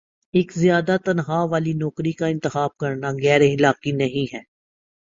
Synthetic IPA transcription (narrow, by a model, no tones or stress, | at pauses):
ɪːkzɪjaːd̪at̪ɐnɦaːʋaːlinɔːkɾikaɪ̃nt̪ɪxaːb̚kɐɾnaɣɛːɾeɪlaːqinɐɦĩɦɛː